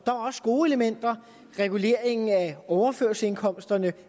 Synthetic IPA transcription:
d̥ɑ̈ɒ̽sɡ̥o̝ːe̝ləmen̰d̥ɐ | ʁɛɡ̥ule̝ɐe̝ŋn̩æɒʊɐføɐse̝nkʰɒ̽m̰sd̥ɐnə

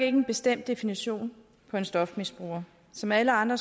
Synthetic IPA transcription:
ɡ̥e̝ɡ̥əenb̥e̝sd̥em̰d̥e̝finiɕo̝̰ːn | pʰɒ̽e̝nsd̥ɒ̽fmisb̥ʁṵːɐ | sɒ̽mæləɑ̈nd̥ʁɐ

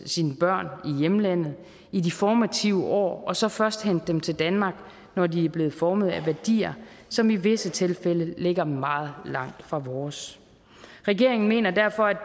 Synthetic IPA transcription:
siːnəb̥ɶɐ̰nijeməlæn̰ð̩ˠ | idifɒːmæt͡sʰiʊəʔɒ̰ːɒ̽sɒ̽fɶɐsd̥hen̰d̥ːemt͡sʰe̝ld̥ænmɑ̈ːɡ̥ | nɒdiæɐb̥le̝ːð̩ˠfɒːməð̞̩ˠæʋæɐd̥ḭːɐ | sɒ̽miʋe̝sət͡sʰe̝lfeləle̝ɡ̥ɐmɑ̈ːð̞̩ˠlɑ̈ŋ̰d̥fʁɑ̈ʋɒːs | ʁɛɡ̥e̝ɐe̝ŋn̩me̝̰ːnɐd̥æɐfɒ̽æ

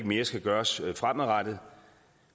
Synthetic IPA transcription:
ɡ̥me̝ːɐsɡ̥æɡ̥ɶːɐsfʁamæʁɑd̥ð̩ˠ

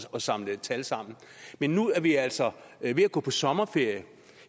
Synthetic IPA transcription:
ɒ̽sɑ̈mlət͡sʰælsɑ̈m̰n̩menːuæɐʋiæl̰sɒʋe̝æɡ̥ɔ̰ːpʰɒ̽sɒ̽mɐfe̝ɐ̰jə

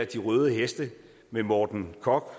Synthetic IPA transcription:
æd̥iʁœːð̞ˠəɦesd̥ə | memɒːd̥n̩kʰɒ̽ɡ̥

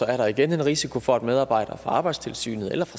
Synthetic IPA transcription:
ɒ̽æɐɾɑ̈iɡ̥ene̝nʁisikʰo̝fɒ̽æd̥með̞ˠɑ̈ːb̥ɑ̈ɪ̰d̥ɐfʁɑ̈ɑ̈ːb̥ɑ̈ɪd̥st͡sʰe̝lsy̰ːnð̞̩ˠḛlɐfʁɑ

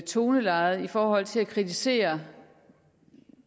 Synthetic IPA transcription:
t͡sʰo̝ːnəlɑ̈ɪð̩ˠifɒːɦɒ̽l̰t͡sʰe̝lækʰʁit͡sʰise̝̰ːɐ

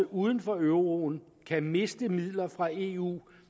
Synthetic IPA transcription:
ʔuːð̞ˠən̩fɒøʊʁo̝ːn | kʰæme̝sd̥əmið̰ˠlɐfʁɑ̈e̝ːṵː

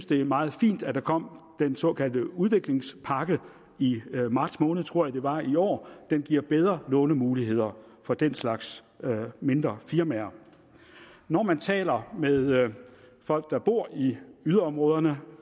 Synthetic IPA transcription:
synsd̥e̝æmɑ̈ːð̞̩ˠfḭːnd̥æd̥ɑ̈kʰɒ̽m̰d̥ensɔ̰̽ːkʰæl̰d̥əuðˠʋe̝ɡ̥le̝ŋspʰɑ̈ɡ̥ə | imɑ̈d̥smɔ̽ːnəð̩ˠt͡sʰʁo̝ɐ̰jɑ̈d̥e̝ʋɑ̈iɒ̰ːd̥enɡ̥iɐ̰b̥eð̞ˠʁɐlɔ̽ːnəmuːliɦe̝ð̰ˠɐfɒ̽d̥enslɑ̈ɡ̥s | me̝nd̥ʁɐfiɐmæɐ | nɒmænt͡sʰɛ̰ːlɐmeðˠ | fɒ̽l̰ɡ̥̚d̥ɑ̈b̥o̝ɐ̰iyðˠɐɒ̽mʁɔ̽ːð̞ˠɐnə

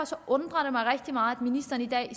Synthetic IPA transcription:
sɒʔɔnd̥̪ʁɐdemɑɪʁɛɡ̥̚d̪̥imɑ̈ːæd̥̪minisd̥ɐn̩id̪ɛ̰ːi

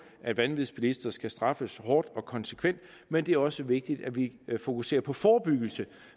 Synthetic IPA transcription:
ʔæd̥ʋænʋiðˠsb̥ilisd̥ɐsɡ̥æsd̥ʁɑ̈fəshɒːd̥ɒ̽kʰɒ̽nsə̥kʰʋen̰d̥ | mend̥e̝æɐɒ̽səʋe̝ɡ̥̚d̥id̥æʋifo̝kʰuse̝̰ːɐpʰɒ̽fɒːb̥yɡ̥l̩sə

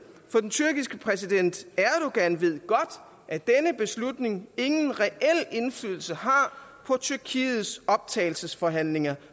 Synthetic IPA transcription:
fɒ̽d̥ent͡sʰyɐɡ̥isɡ̥əpʰʁɛs̬id̥en̰d̥æɐd̥uɡ̥ænʋe̝ð̞̰ˠɡ̥ɒ̽d̥ | ʔæd̥enəb̥e̝slud̥ne̝ŋe̝ŋn̩ʁɛʔel̰e̝nflyːðˠl̩səhɑ̈pʰɒ̽t͡sʰyɐkʰḭːð̩ˠsɒ̽b̥̚t͡sʰɛ̰ːɪl̩səsfɒ̽ɦæn̰le̝ŋɐ

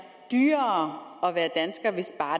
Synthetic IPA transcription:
d̥yːɐɒ̽ʋæːɐd̥ænsɡ̥ɐʋe̝sb̥ɑ̈ː

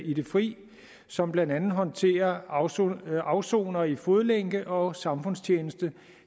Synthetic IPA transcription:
id̥e̝fʁḭː | sɒ̽mb̥lænd̥ænð̩ˠɦɒ̽nt͡sʰe̝̰ːɐ | ɑ̈ʊso̝̰ːnɐifo̝ð̞ˠleŋ̰ɡ̥əʔɒ̽sɑ̈mfɔ̽n̰st͡ɕʰjeːnəsd̥ə

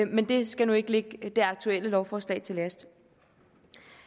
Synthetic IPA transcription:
mend̥e̝sɡ̥ænue̝ɡ̥əleɡ̥d̥e̝ɑ̈ɡ̥̚t͡sʰuel̰əlɒʊfɒːslɛ̰ːɪt͡sʰe̝læsd̥

